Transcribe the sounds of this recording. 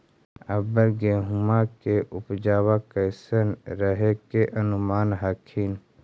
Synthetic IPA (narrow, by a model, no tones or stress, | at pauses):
əbəɾɡeːɦʊmakeʔʊpd͡ʒaːwakəsənɾəɦekeʔənʊmaːnɦaːkʰiːn